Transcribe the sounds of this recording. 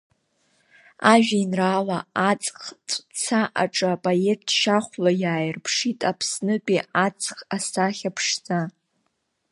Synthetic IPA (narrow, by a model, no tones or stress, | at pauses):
aʒᶣainraːlaat͡sʼχt͡sʰʼt͡sʰaʔaʈ͡ʂʼɨapʼaet̚ʰʃaχʷlajaːjɪrpʰʂitʼapʰsnɨpʼiʔat͡sʼχasaχʲapʰʂd͡za